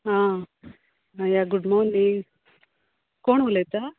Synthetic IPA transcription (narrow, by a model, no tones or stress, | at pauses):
ã | ajaɡuɖmonːi | koːɳulet̪a